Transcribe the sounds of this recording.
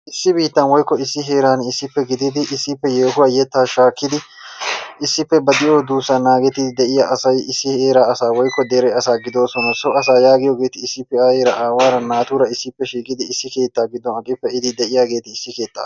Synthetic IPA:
ʔɪsːɪbiːt̪ːɐnwɔjkːɔɪsːɪɦe̞ːɾaːnɪsːɪpːɛɡɪd̪ɪd̪ɪʔɪsːɪpːɛjeːɦʊwaːjɛt̪ːaːʃaːkːɪd̪ɪ | ɪsːɪpːɛbɐd̪ɪʔoːd̪uːsːɐnaːɡɛt̪ːɪd̪d̪ɛʔɪjaʔɐsɐjɪsːɪheːɾaːɐsaːwɔjkːɔd̪eːɾɛjɐsaːɡɪd̪o̞ːsɔnɐsɔɐs̬aːjaːɡɪjɔɡe̞ːt̪ɪɪsːɪpːɛaːheːɾɐʔaːwaːɾɐnːaːt̪uːɾɐɪsːɪpːɛʃiːkʼɪd̪ɪɪsːɪke̞ːt̪ːaːɡɪd̪ːɔnɐkʼːɪpːɛɪd̪ɪd̪ɛʔɪjaːɡe̞ːt̪ɪɪsːɪke̞ːt̪ːa̰ː

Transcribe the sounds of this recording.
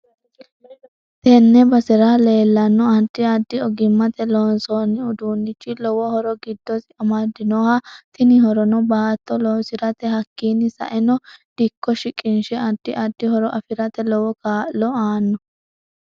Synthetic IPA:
t̪ɛnːɛbɐsɛɾale̞ːlːɐnːɔɐd̪ɪɐd̪ːɪɔɡɪmːɐt̪ɛloːnsoːnːɪʊd̪uːnːɪt͡ʃːɪlɔwɔhɔɾɔɡɪd̪ːɔsɪɐmɐd̪ɪnɔhɐt̪ɪnɪhɔɾɔnɔbaːt̪ːɔlɔːnsɪɾɐt̪ɛɦɐkːiːnːɪsɐ̰ʔɛnɔd̪̥ɪkːɔʃɪkʼɪnʃɛɐd̪ːɪʔɐd̪ɪhɔɾɔʔɐfɪɾɐt̪ɛlɔwɔkaːlɔaːnːɔ

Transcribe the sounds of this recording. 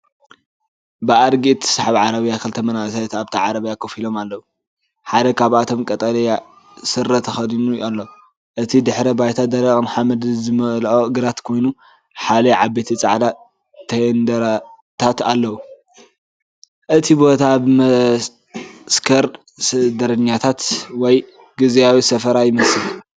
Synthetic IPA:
bɨʔaɾɡit̪ʰsaħaβʕaɾɐβjakʰɨlt̪ʰɐmɐnasajt̪aβt̪ʰɐʕaɾɐβjakʰɐfilo̞malːɐwu | ħad̪ɐkʰaβat̪ʰo̞mkʼɐt̪ʼɐlɐja | sɨɾːɐt̪ʰɐxɐd̪inujʔalːɐwu | ʔɨt̪ʰid̪ɨħɾɐbajt̪ʰad̪ɐɾɐkʼmħamɐd̪zɨmɐlʔoɨɡɨɾat̪kʰo̞jnu | ħalɐʕabːet̪ʰit͡sʼa̰ʕd̪a | t̪ʰɐnd̪ɐɾa | t̪ʰat̪alːɐwu | ʔɨt̪ʰibo̞t̪ʰabmɐ | skʰɐɾ | sɨd̪ɐɾɨɲːat̪ʰat̪wɔj | ɡizijawisɐfɐɾajɪmɐsɨl

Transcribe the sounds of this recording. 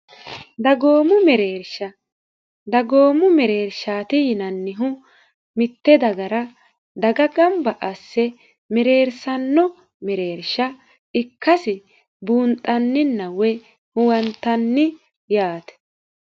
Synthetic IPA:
d̪ɐɡoːmʊmɛɾeːɾʃɐ | d̪ɐɡoːmʊmɛɾe̞ːɾʃaːt̪ɪjɪnɐnːɪɦʊ | mɪt̪ːɛd̪ɐɡɐɾɐ | d̪ɐɡɐɡɐmbɐʔɐsːɛ | mɛɾe̞ːɾsɐnːɔ | mɛɾe̞ːɾʃɐ | ʔɪkʰːɐsɪ | buːnt̪ʼːɐnːɪnːɐwɛ | hʊwɐnt̪ːɐnːɪ | jaːt̪ɛ̥

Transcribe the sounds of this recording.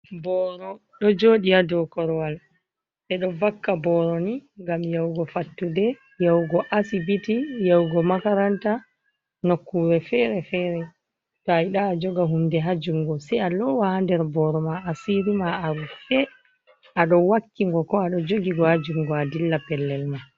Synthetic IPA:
bɔɾɔ | ɗɔd͡ʒoːɗiadɔkɔɾwal | ʔɛɗɔvakːabɔɾɔniŋɡamjawɡɔfatːudɛ | jawɡɔʔasibitijawɡɔmakaɾanta | nokːuɾɛfɛɾɛfɛɾɛ | tɔajɗaːd͡ʒɔɡaɦumdɛɦad͡ʒuŋɡɔsɛjalɔwahandɛɾbɔɾɔmaːsiɾimaaɾufɛ | ʔaɗɔwakːiŋɡɔkɔaɗɔd͡ʒoɡiɡɔhad͡ʒuŋɡɔadilːapɛlːɛlma

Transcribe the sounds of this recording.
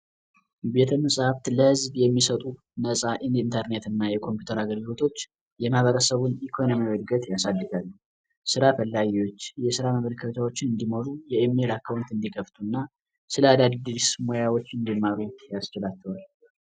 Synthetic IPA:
be̞t̪ʰəməsʼhaft̪ləhɨzbjɛmːisət̪ʼu | nəsʼaʔind̪int̪ʰəɾne̞t̪ɨnːajɛkʰo̞mpjut̪ʰəɾaɡəlɡɨlo̞t̪ʰo̞t͡ʃː | jɛmhaβəɾəsəβunikʰo̞nomiwɔd̪ɡət̪jasad̪ːɨɡalːu | sɨɾafəlːaɡiwo̞t͡ʃːjɛsɨɾaməməɾkʰət̪ʰawo̞t͡ʃːɪnɨnd̪imoɾujɛemelakʰawnt̪ɨnd̪ikʰəft̪ʰunːa | sɨləad̪ad̪d̪ismo̞jawot͡ʃːɨnd̪imːaɾujast͡ʃɪlat͡ʃːəwal

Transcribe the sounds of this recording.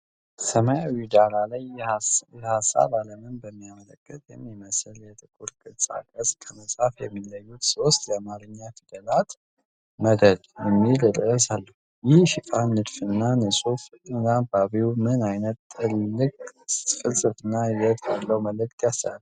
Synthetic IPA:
səməjawid̪alalajjɛhasːa̰βaləmɨnbəmːijamələkʼːɨt̪ʼjɛmːiməsəljɛt̪ʼɨkʼuɾkʼɨsʼa̰kʼəskʰəməsʼafjɛmːiləjːut̪so̞st̪jamaɾɨɲːat̪ʰɨd̪əlat̪ | məd̪əd̪jɛmːilɨɾʼɨsalːəhujɪhʃɪt̪ʼanːɨd̪fɨnːanɨsʼuf | ɨnlabaβiumɨnajnət̪t̪ːʰʼɨlːɨkʼfɨlsʼɨfɨnːajɛt̪ʰʼjalːəwməlɨk̚ʼt̪ʼjasəal

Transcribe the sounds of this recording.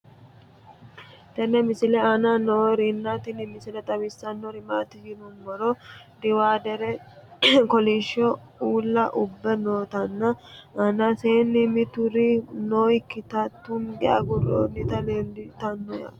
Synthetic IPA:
t̪ɐnːɛmɪsɪlɛananoːɾɪnːat̪ɪnɪmɪsɪlɛt̪ʼɐbɪsːɐnːɔɾɪmaːt̪ɪd͡ʒɪnʊnmɔɾɔ | d̪ɪwaːd̪ɛɾɛ | kɔliʃːɔ | uːlːɐʔʊbːɛnoːt̪ɐnːɐɐnaseːnːɪmɪt̪ʊɾɪnoːkːɪt̪ɐt̪ːʊmɡɛa̰ɡʊro̰ːnːɪt̪ɐleːndɪt̪ɐnːɔjɐ̰

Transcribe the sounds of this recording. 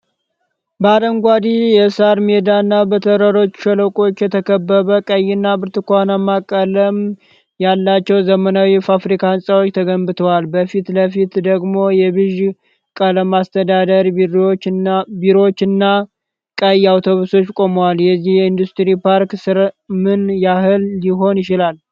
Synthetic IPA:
bəad̪əŋɡʷad̪ijɛsaɾmed̪anːabət̪ʰəɾəɾo̞t͡ʃːʃələkʼo̞t͡ʃːjɛt̪ʰəkʰəbːəβəkʼəjːɪnːabɨɾt̪ɨkʷanamːakʼːələm | jalːat͡ʃːɛwzəmənawifafɾikʰansʼawot͡ʃːt̪ʰəɡəmbɨt̪ʰəwalbəfit̪ləfit̪d̪əɡmo̞jɛbɨʒ | kʼələmast̪ʰəd̪ad̪əɾ | biɾo̞t͡ʃːɨnːa | kʼəjawt̪ʰo̞βuso̞t͡ʃːkʼo̞məwaljɛzːihjɛind̪ust̪ɾipʰaɾksɨɾmɨnjaɦɨlːiɦo̞njɪt͡ʃɪlal

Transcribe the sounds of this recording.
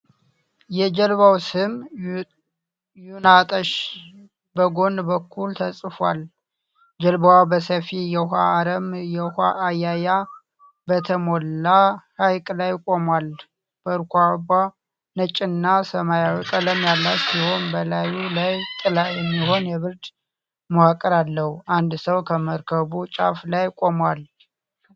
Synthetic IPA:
jɛd͡ʒəlβawsɨm | junat̪ʼəʃ | bəɡo̞nbəkʰːult̪ʰəsʼfal | d͡ʒəlbawabəsəfijɛhaːɾəmjɛhaʔːjaja | bət̪ʰəmo̞lːaɾajkʼlajkʼo̞mwal | b̥əɾkʷaba | nət͡ʃʼːɪnːasəmajawkʼələmjalːat̪siho̞nbəlajulajt̪ʼɨlajɛmːiho̞njɛβɨɾd̪ | mohakʼːəɾalːəhuʔand̪səwkʰəməɾkʰəβut͡ʃʼa̰flajkʼo̞mwal

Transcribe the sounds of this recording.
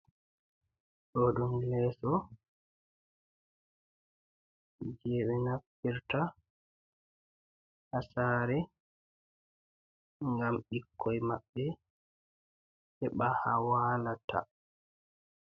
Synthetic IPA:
ɗodumlɛsɔ | d͡ʒɛːɓɛnapːiɾta | hasaːɾɛ | ŋɡamɓikʰːɔjmaɓːɛ | hɛɓahawaːlatʰa̰

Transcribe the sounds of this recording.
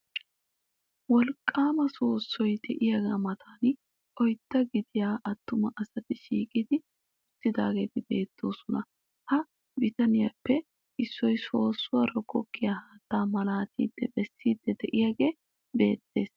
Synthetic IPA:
wɔlkʼːaːmɐso̞ːsːɔjd̪ɛʔɪjaɡaːmɐt̪ʰaːn | ɔjt̪ːɐɡɪd̪ɪjaːʔɐt̪ːʊmɐʔɐsɐt̪ɪʃiːkʼɪd̪ɪ | ʊt̪ːɪd̪aːɡeːt̪ɪbe̞ːt̪ːo̞ːsɔnɐ | hɐ | bɪt̪ɐnɪjapːɛ | ʔɪsːɔjso̞ːsːʊwaːɾɔkɔkːɪjahaːt̪ːaːmɐlaːt̪ḭːd̪̥ːɛbɛsːiːd̪ːɛd̪ɛʔɪjaɡe̞ː | be̞̰ːt̪ːe̞ːs

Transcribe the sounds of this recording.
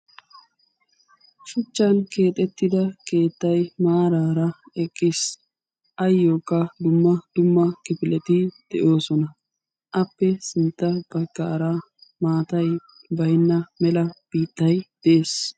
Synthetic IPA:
ʃʊt͡ʃːɐnke̞ːt̪ʼːɛt̪ːɪd̪ɐke̞ːt̪ːɐjmaːɾaːɾɐɛkʼːɪs | ʔɐjːoːkʼːɐd̪ʊmːɐd̪̥ʊmːɐkɪpɪlɛt̪ɪd̪̥ɛʔo̞ːsɔnɐ | ʔɐpːɛsɪnt̪ːɐb̥ɐɡːa̰ːɾa | maːt̪ɐj | bɐjnːɐmɛlɐb̥iːt̪ːɐjd̪̥ɛeːs

